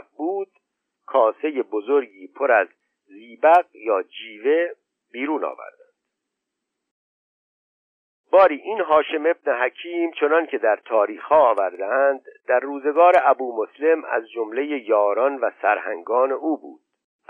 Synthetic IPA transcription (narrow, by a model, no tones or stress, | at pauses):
buːd̪̥ | kʰɒːse̞je̞bozoɾɡiːpʰoɾæzː | iːbæɣjɒːd͡ʒiːve̞ | biːɾuːnɒ̰ːvæ̰ɾd̪̥ænd̪̥̚ | b̥ɒːɾiːʔiːnɦɒːʃe̞me̞bneɦæcʰiːmt͡ʃʰo̞nɒncʰe̞d̪æɾt̪ʰɒːɾiːxhɒːvæɾd̪eænd̪d̪æɾːuːze̞ɡɒːɾeʔæbuːmosle̞mæ̰zd͡ʒomle̞jejɒːɾɒnvæsæɾhæ̰ŋɡɒːne̞ʔuːbṵːd̪̥